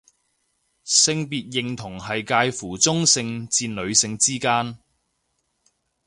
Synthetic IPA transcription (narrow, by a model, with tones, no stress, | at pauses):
sɪ˧ŋpiː˨t̚jɪ˨ŋt̪ʰʊ˨˩ŋhɐ˨jkaː˧jfuː˨˩t͡sʊ˥ŋsɪ˧ŋt͡siː˧nlɵ˨˧ɥsɪ˧ŋt͡siː˥kaː˥n